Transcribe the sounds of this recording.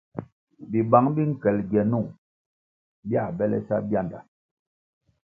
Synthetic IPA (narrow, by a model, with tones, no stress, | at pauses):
bi˨ba˨˦ŋbi˦ŋ̩˨kɛ˨lɡjɛ˨nu˦˨ŋ | bja˦˨bɛ˦lɛ̰˦sa˦bja˦˨nda˨